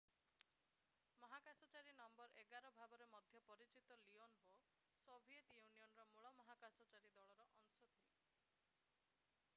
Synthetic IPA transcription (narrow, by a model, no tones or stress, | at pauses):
mɔɦakasɔt͡ʃaɾinɔmbɔɾʔeɡaɾɔbʱabɔɾemɔd̪ʱjɔpɔɾit͡ʃit̪ɔlionɦo | sobʱiet̪junijɔnɔɾɔmuɭɔmɔɦakasɔt͡ʃaɾid̪ɔɭɔɾɔʔɔŋsɔt̪ʰile